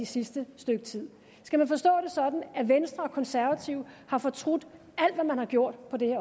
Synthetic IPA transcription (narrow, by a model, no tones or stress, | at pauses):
isisd̥əsd̥øɡ̥ət͡sʰið̰ˠ | sɡ̥æmænfɒ̽sd̥ɔ̰̽ːd̥e̝sɒ̽d̥n̩æʋensd̥ʁɐ̽ːkʰɒ̽nsæɐʋæt͡sʰiʊhɑ̈fɒ̽t͡sʰʁod̥ | æl̰d̥ʋæmænhɑ̈ɡ̥jo̝ɐ̰d̥pʰɒ̽d̥e̝heɐ